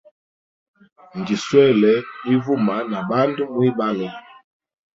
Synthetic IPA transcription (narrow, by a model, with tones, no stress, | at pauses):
n˨ɡi˨swɛ˦˨lɛ˨˦i˦vu˦ma˨˦na˨ba˦ndə˦mwi˦ba˦lɛ˨